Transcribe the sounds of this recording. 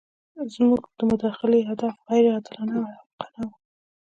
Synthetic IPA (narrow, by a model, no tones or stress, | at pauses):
zmuɡd̪̥əmʊd̪ɑxɪleɦad̪afɣajɾad̪lɑnawaaqɑnaw